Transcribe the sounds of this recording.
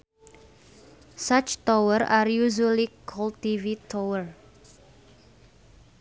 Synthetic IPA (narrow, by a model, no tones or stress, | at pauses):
sat͡ʃt̪owəɾaɾjuʒulikʰɔlt̪ivit̪ʰowər